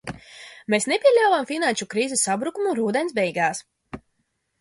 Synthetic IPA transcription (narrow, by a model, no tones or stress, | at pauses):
meːsnepʲiɛʎʲawvamfinanʃukɾiːzɛsːabɾukumuɾuːd̪ɛnsbɛjɡaːs